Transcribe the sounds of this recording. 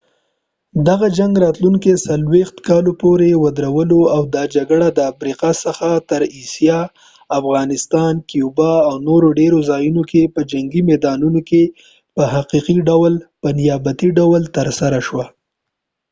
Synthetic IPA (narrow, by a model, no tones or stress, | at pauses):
d̪aɣad͡ʒaŋɡɾɑt̪luŋkesalwext̪kɑlopoɾewad̪ɾawəloawd̪ɑd͡ʒaɡɽad̪əafɾiqasəxat̪əɾisijɑ | afɣɑnɪst̪ɑnkijubɑawnoɾoɖeɾozɑjunokepəd͡ʒaŋɡimɛd̪ɑnunoke | pəɦaqiqiɖawlpənɪjɑbat̪iɖawlt̪əɾsaɾaʃwa